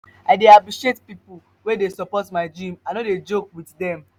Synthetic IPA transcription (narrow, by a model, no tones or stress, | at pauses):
aɪdeapɹiʃetpipu | wedesɔpɔtmaɪd͡ʒĩmanoded͡ʒok̚witdɛ̃m